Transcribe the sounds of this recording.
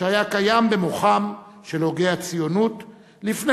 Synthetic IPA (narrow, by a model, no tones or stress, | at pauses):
eajakajambe̞moχamʃe̞lo̞ɡe̞at͡sijonut | lifne